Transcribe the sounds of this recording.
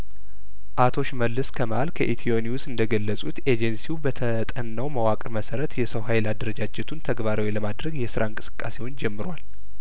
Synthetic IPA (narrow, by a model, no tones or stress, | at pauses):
ʔat̪ʰo̞ʃməlːɨskʰəmalkʰəʔit̪ʰioniwsɨnd̪əɡəlːəsʼut̪e̞d͡ʒɛnsiubət̪ʰət̪ʼənːəwməwakʼɾməsəɾət̪jɛsəwɦajɪlad̪əɾəd͡ʒad͡ʒɛt̪ʰunt̪ʰəɡbaɾawiləmad̪ɾəɡjɛsɨɾaɨŋkʼɨ̥sɨ̥kʼːa̰se̞wond͡ʒɛmːɨɾwal